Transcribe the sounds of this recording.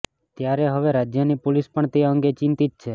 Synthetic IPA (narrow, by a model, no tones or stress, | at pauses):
t̪jaɾeɦəʋeɾad͡ʒjənipolispəɳt̪eə̃ŋɡet͡ʃɪ̃nt̪it̪̚t͡ʃʰe